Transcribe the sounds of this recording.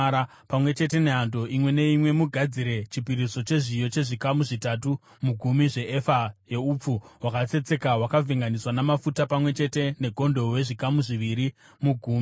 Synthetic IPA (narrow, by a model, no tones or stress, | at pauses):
ɾa | pamwe̞t͡ʃe̞te̞ne̞ɦando̞ʔimwe̞ne̞imwe̞muɡʱad͡ziɾe̞t͡ʃipiɾiso̞t͡ʃe̞ʐijo̞t͡ʃe̞ʐikamuʐitatu | muɡʱumiʐe̞ʔefaje̞up͡fuɦwakat͡se̞t͡se̞kawakavʱiŋɡaniswanamafutapamwe̞t͡ʃe̞te̞ne̞ɡʱo̞ndowe̞ʐikamuʐiʋiɾi | muɡʱuːmi